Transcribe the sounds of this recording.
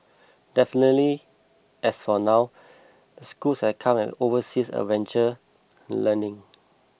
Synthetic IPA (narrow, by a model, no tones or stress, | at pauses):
dɛfinətli | ɛsfɔnaʊ | dəskulshɛkʰãmɛ̰tovəsisə̰vɛ̃nt͡ʃə̃ | lənɪ̃ŋ